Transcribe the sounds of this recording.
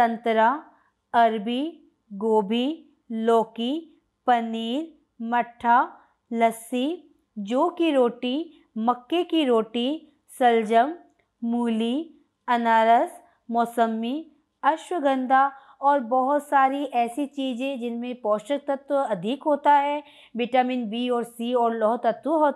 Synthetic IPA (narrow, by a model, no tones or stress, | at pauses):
t̪ɐ̃nt̪ɾa | ɐɾbi | ɡoːbʱi | loːki | pɐniːɾ | mɐʈʰːaː | lɐsi | d͡ʒoːkiɾoːʈi | mɐkːekiɾoːʈi | sɐld͡ʒəmː | uːli | ɐnaːɾəs | mɔːsəmːi | ɐʃwəɡə̃nd̪a | ɔːɾbɐɦʊt̪saːɾiʔɛːsit͡ʃiːzẽd͡ʒɪnmẽpɔːʃək̚t̪ɐt̪wəɐd̪ʱɪkɦoːt̪aɦɛː | ʋɪʈaːminbiːɔːɾsiːɔːɾlɔːɦt̪ɐt̪wəɦoː